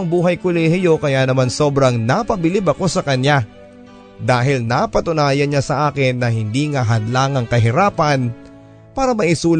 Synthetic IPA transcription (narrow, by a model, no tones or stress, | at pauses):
ɐŋbuːɦɐjkʊlɛːhɪjo̞kɐjaːnɐmanso̞ːbɾɐŋnapɐbɪlɪbɐko̞sɐkɐɲja | d̪aːɦɪlnapɐt̪ʊnaːjɐnɲasɐʔaːkɪnːɐhɪnd̪iŋɐɦɐd̪laːŋɐŋkɐɦɪɾaːpɐn | paːɾɐmɐʔɪsuːl